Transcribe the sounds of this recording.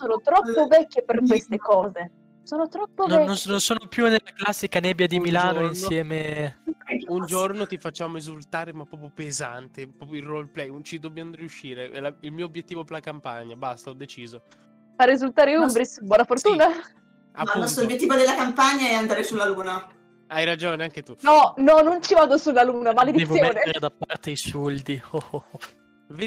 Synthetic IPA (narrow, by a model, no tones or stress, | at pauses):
soːnot̪ɾɔpːovɛkːeperkwest̪ekɔːze | soːnot̪ɾɔpːonɛnːonnonsoːnopjunelːaklasːikanɛːbjad̪imilaːnoinsjɛːme | und͡ʒornot̪ifat͡ʃːaːmoezult̪aːɾemapːɔːpjopeza̰nt̪epɾɔpjoirolplɛjut͡ʃid̪objamoɾijuʃːiːɾeɛ̰lailmiːoobjet̪ːiːvopeɾlakampa̰ɲːabast̪aɔd̪et͡ʃiːzo | faɾezult̪aːɾeumbɾisbwɔːnafort̪uːna | a̰aunɔst̪ɾobjet̪ːivod̪elːakampaɲːaɛand̪aːɾesulːaluːna | ajɾad͡ʒoːneaŋk̟et̪unɔnɔnont͡ʃivaːd̪osulːaluːnamaled̪id̪ɛvsjoaːneɾad̪apːaɾat̪eisuld̪io | ve